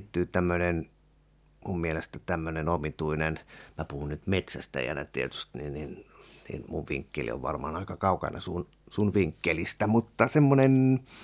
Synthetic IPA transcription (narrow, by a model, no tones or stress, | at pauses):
t̪ːyːt̪æmːønen | mummielest̪æt̪æmːønenomit̪uinenmæpuhunnyt̪met̪sæst̪æ̰jæ̰næ̰t̪iet̪y̥st̪ninin | nḭnmuʋʋḭŋkːḛlḭo̰ʋʋɑ̰rmɑ̰ːnɑikɑkɑukɑ̰nɑ̰sun | sunʋiŋkːelist̪æmut̪ːɑsemːonen